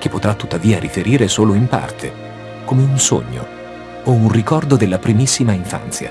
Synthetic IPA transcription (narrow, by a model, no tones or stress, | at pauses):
k̟epːot̪ɾat̪ːut̪ːaviːaɾifeɾiːɾesoːloimpa̰rt̪ʰḛ | komeunso̰ɲːo̰ | ounrikɔrd̪od̪elːapɾimisːimaiɱfa̰nt̪sja̰